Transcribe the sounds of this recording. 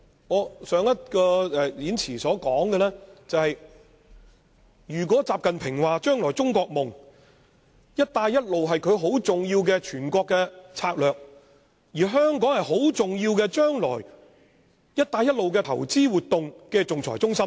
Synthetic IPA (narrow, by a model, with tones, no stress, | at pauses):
ŋɔː˨˧sœː˨˧ŋjɐ˥t̚kɔː˧ɛː˨˩liː˨˥nt͡sʰiː˨˩sɔː˨˥kɔː˨˥ŋkɛ˧lɛː˥t͡sɐ˨whɐ˨j | jyː˨˩k̬ʷɔː˨˥t͡saː˨p̚kɐ˨npʰɪ˨˩ŋwaː˨t͡ʃœː˥ŋlɔː˨˩jt͡sʊ˥ŋkɔː˧k̚mʊ˨ŋ | jɐ˥t̚t̪aː˧jːɐ˥t̚lo˨wɦɐ˨jkʰɵ˨˧ɥɦo˨˥wt͡sʊ˨ŋjiː˧wkɛː˧t͡ʃʰyː˨˩nkɔː˧kːɛː˧t͡sʰaː˧k̚lœː˨k̚ | jiː˨˩ɦœː˥ŋkɔː˨˥ŋhɐ˨jɦo˨˥wt͡sʊ˨ŋjiː˧wkɛː˧t͡ʃœː˥ŋlɔ̰ː˨˩j | jɐ˥t̚t̪aː˧jɐ˥t̚lo˨wkɛː˧t̪ʰɐ̰˨˩wt͡siː˥wuː˨t̚t̪ʊ˨ŋkɛː˧t͡sʊ˨ŋt͡sʰɔ̰ː˨˩jt͡sʊ˥ŋsɐ˥m